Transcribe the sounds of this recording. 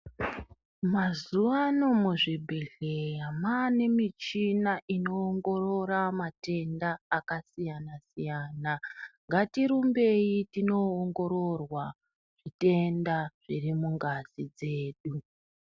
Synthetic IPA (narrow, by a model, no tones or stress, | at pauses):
mazuʋanomuʐibʱeɮejamane̞mit͡ʃinaʔino̞ːŋɡo̞ro̞ɾamate̞ndaːkasijanasijaːnaŋɡatiɾumbe̞jitino̞ːŋɡo̞ɾo̞rwa | ʐ̥ite̞ndaʐ̥irimuŋɡazid͡ze̞ːɗu